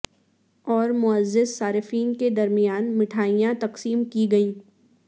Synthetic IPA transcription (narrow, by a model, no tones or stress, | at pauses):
ɔːɾmʊəzːɪssaːɾɪfiːnked̪ɐɾmɪijaːnmɪʈʰaːijãt̪ɐqsiːmkiɡɐĩː